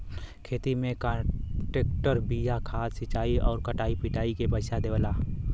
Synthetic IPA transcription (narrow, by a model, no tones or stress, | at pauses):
kʰeːt̪imẽkãːʈeːk̚ʈəɾbijakʰaːd̪sɪt͡ʃaːiʔɔːɾkəʈaːipɪʈaːikebəɪsad̪eːʋəlaː